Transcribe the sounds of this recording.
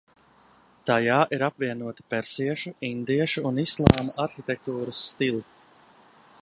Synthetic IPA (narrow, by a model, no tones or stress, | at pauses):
t̪ajaːʔiɾapviɛnuɔt̪i̥pɛɾsiɛʃuind̪iɛʃuːnislˠɑːmaʔaɾxit̪ɛk̚t̪uːɾusːt̪ilˠi